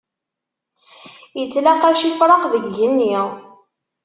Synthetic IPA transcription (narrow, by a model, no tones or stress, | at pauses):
jət͡sːlaqæʃifɾˤɑqðəɡːənːiʁ